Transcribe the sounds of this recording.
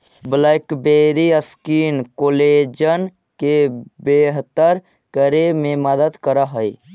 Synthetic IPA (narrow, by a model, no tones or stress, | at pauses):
blaɪkbeɾiəskiːnkoːled͡ʒən | kebeɦt̪əɾ | kəɾemẽməd̪əd̪kəɾəɦəi